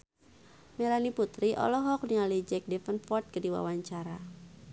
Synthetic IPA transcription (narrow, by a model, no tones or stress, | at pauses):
melaniput̪ɾiʔɔ̰lɔɦɔk̚nialid͡ʒɛk̚dɛfənfɔrt̪̚kədiwa̰waɲt͡ʃaɾa